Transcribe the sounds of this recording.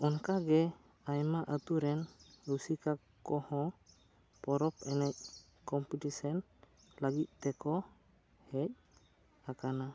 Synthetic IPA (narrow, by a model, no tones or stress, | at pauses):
ɔnkaɡɛ | ajmaʔət̪uɾɛnɾusika | kɔhɔ̃ | pɔɾɔpɛnac̚ | kɔmpitisɔn | laɡit̪̚ˀt̪ɛkɔ | hɛc̚ | akana